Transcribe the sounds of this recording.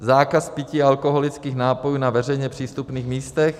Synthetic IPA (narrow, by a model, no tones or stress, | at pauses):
zaːkaspɪciːalkoɦolɪt͡skiːxnaːpojuːnavɛr̝ɛjɲɛpr̝̥iːst̪upniːxmiːst̪ɛx